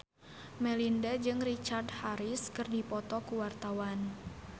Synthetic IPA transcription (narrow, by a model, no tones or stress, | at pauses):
mɛlindad͡ʒɨŋrit͡ʃardhaɾɪskɨrdipɔt̪ɔkuwart̪awan